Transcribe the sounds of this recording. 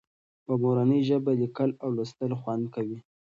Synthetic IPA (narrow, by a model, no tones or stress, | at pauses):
pəmoɾanəjʒəbalikalawlast̪əlxwand̪kawi